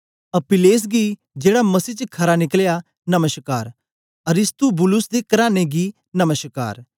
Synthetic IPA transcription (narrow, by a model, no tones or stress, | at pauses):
ɐpɪleːs̬ɡi | d͡ʒeːɽamɐsiːt͡ʃkʰɐɾanɪkəlja | nɐməʃkaːɾ | ɐɾɪst̪ubʊlʊsd̪ekɐɾaːneɡi | nɐməʃka̰ːɾ